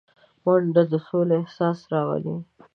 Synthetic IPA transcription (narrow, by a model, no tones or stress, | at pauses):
waɳɖad̪əsoleehsɑsɾɑwa̰li